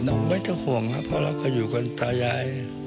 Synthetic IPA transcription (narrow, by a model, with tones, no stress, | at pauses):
nɔː˧˥˩ŋma˧˥˩jt̪ʰa˧˩hu˨˩əŋla˦˥pʰɔ˧laː˧˩wkʰa˧˩juː˨˩ko˧nt̪aː˧ja˧j